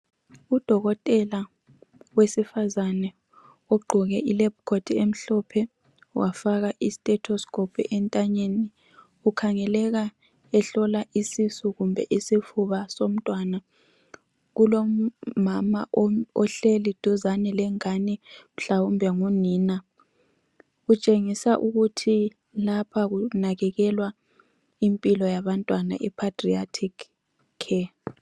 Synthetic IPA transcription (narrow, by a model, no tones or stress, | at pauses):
ud̥ʱɔɣɔtʼɛla | wesifazanɛ | oɡ͡ǃʱuɣɛʔilebkʰodʰiem̩ɬɔpʰɛ | wafaɣ̬aʔisi̥tʼɛtʰɔskʰʼɔpʰḭʔɛntʼaɲeni | ukʰaŋɛlɛk̬a | ɛɬɔlaʔisisuɣumbʱɛ̰ʔisifuɓasom̩tʼwana | ɣulɔmama̰ʔɔɬelid̥ʱuzanɛlɛŋanɛm̩ɬawumbʱɛŋuniːna | ɣut͡ʃʼeŋisaʔuɣutʰi | lapʰaɣunaɣɛɣɛlwa | impʼilɔjaβantʼwana̰ʔipʰatʼriatʰikʰ | kʰːɛ